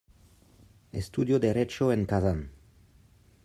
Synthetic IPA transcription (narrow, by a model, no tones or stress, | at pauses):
ḛst̪ud̪jod̪eɾet͡ʃoeŋkazan